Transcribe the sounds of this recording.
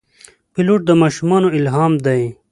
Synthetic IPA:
piloːʈ̚d̪əmaːʃumɑːnoilɦɑːmd̪ɐj

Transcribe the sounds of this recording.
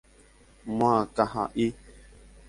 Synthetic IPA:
maːkaha̰ʔi

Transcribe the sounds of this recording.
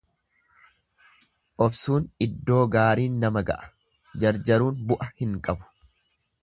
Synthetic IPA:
ʔɔbsuːnɪd̪ːo̞ːɡaːɾiːnːɐmɐɡɐ̰ʔɐ̥ | d͡ʒɐɾd͡ʒɐɾuːnbʊʔɐhɪŋkʼɐbʊ̥

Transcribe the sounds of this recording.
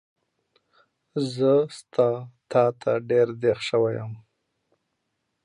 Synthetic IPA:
zəst̪ʰɑt̪ʰɑt̪ʰaɖeɾd̪exʃəwajəm

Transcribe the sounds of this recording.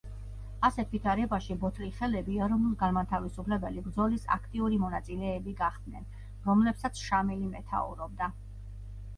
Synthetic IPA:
asɛt̪ʰvit̪ʰaɾɛbaʃibɔt̪ʰɾiχɛlɛbiɛɾɔnulˠɡanmat̪ʰavisupʰlɛbɛlibɾd̪zɔlisa̰kʰt̪ʼiuɾimɔnat̪sʼilɛːbiɡaχd̪nɛn | ɾɔmlɛpsat̪sʰʃamilimɛt̪ʰa̰ṵɾɔb̚d̪a

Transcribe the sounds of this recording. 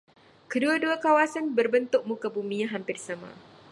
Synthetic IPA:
kəduaduakawasanbərbənt̪ʊk̚mukabumĩaɦampɪrsamã̰

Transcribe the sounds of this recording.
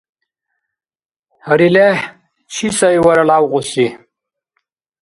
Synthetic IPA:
hɐɾile | t͡ɕʰisɐjwɐɾɐlaːwʁusi

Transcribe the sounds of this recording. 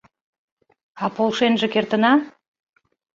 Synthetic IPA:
ɑpʰolˠʃenʒə̆kʲeɾt̪ə̆nɑ

